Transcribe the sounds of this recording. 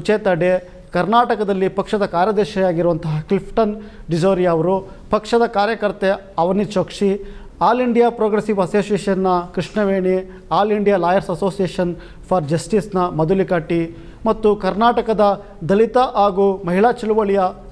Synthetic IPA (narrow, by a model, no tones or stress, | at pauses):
ut͡ʃeːt̪ɐɖe | kɐɾnaːʈɐkɐd̪ɐlːipɐkʂɐd̪ɐkaːɾjɐd̪ɛːʃɐjaːɡiɾuʋɐnt̪ɐɦɐklipʰʈɐnɖid͡ʒoːɾijaːʋɐɾu | pɐkʂɐd̪ɐkaːɾjɐkɐɾt̪e | ɐʋɐnit͡ʃoːkʂi | aːliɳɖijaːpɾoːɡɾesiʋɐsoːsijeːʃɐnːɐkɾiʂɳɐʋeːɳi | aːliɳɖijaːlaːjɐɾsɐso̞ːsijeːʃɐn | pʰɐɾd͡ʒɐsʈisnɐmɐd̪ulikaːʈːi | mɐt̪ːukɐɾnaːʈɐkɐd̪ɐ | d̪ɐlit̪ɐʔaːɡumɐɦiɭaːt͡ʃɐluʋɐɭijɐ